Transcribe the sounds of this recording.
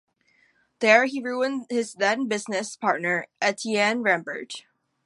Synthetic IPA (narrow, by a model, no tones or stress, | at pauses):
ðəɹhiɹuə̃ndhɪzðɛ̃nbɪznɨspʰɑɹtⁿnə˞ʔɨtʰiæ̃nɹæ̃mbə̰˞d͡ʒ